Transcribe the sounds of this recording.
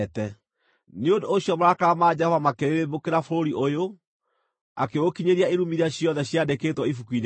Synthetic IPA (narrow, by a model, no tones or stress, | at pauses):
tɛ | neondoːɕjɔmaɾakamaːd͡ʑɛɔvamakeɾeɾebokeɾafoɾoɾiʔojo | akewokiɲeɾiaeɾumiɾaɕjɔnðɛɕjadekeːtwɔifukwin